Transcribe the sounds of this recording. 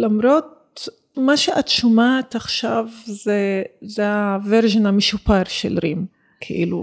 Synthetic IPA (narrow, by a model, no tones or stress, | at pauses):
lamɾo̞t̚ | maʃeʔatʃomaːtaχʃavzezeaveɾʒenameʃupaɾʃḛlɾim | kʰḛʔḭlṵ